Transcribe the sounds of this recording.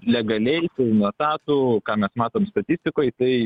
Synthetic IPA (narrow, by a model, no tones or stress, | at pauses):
lʲɛɡɐlʲɛɪsɪnoɔt̪ɑːt̪ukɑːmʲɛsmɑːt̪oːmst̪ɐt̪ʲɪsʲt̪ʲɪkoːjt̪ɐɪ